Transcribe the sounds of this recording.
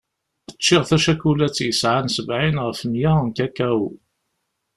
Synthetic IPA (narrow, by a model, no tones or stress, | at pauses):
ət͡ʃːɪʁθæʃækulæt͡sːjəsʕansəvʕinʁəfmjank̪ækæw